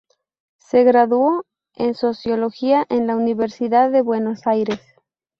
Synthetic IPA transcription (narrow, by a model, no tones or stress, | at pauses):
se̞ɣɾaðuo̞ | e̞̰nso̞sjo̞lo̞xiaʔe̞nlauniβe̞ɾsiðaðe̞βwe̞no̞sajɾe̞s